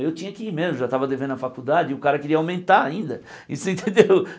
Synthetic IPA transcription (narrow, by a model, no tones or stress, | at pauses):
ewt͡ʃĩɲɐakɪimezmʊʒat̪avɐd̪evẽd̪ʊɐfakud̪ad͡ʒɪʊkaɾɐkɪɾiɐawmẽnt̪aaĩnd̪ɐ | ḭsʊẽnt̪ẽnd̪ew